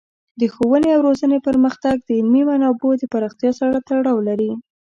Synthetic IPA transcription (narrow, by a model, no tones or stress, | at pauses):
d̪əxowəneawɾozənepəɾməxt̪aɡ̚d̪əɪlmimanɑbod̪əpaɾɑxt̪jɑsaɽat̪aɽɑwlaɾi